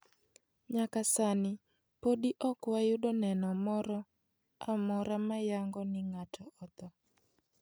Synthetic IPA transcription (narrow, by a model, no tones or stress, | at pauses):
ɲakasanɪ | podiʔɔkwajʊdonɛnɔmɔɾɔ | amɔɾamajaŋɡɔnɪŋatʰɔɔt̪ɔ